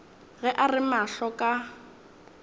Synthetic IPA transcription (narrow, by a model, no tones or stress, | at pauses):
ɣɛʔarɪmaɬɔkʼa